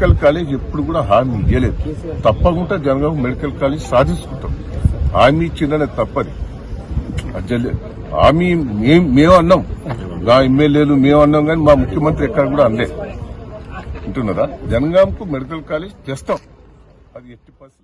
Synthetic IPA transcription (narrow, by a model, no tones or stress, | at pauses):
kɐlkaːleːd͡ʒepːuɽuɡuːɽaːɦaːmiːle̞ːd̪ut̪ɐpːɐɡuɳʈad͡ʒɐnɐɡaːmkumeɽikɐlkaːleːd͡ʒsaːd̪ʱinsu̥kuɳʈ̪a̰ːmɦa̰ːmiːt͡ʃind̪ɐnet̪ɐpːɐd̪i | ɐd͡ʒɐl̰ | a̰ːmimeːmmeːmɐnːaːmnaːemːeljeːlumeːmɐnːaːnɡaːnimaːmukʰjɐmɐnt̪ɾiɛkːɐɽɐɡuːɽaːɐnlḛː | ɐɳʈunːɐd̪aːd͡ʒɐnɐɡaːmkumeɽikɐlkaːleːd͡ʒt͡ʃeːst̪aːm | ɐd̪ieʈːipɐs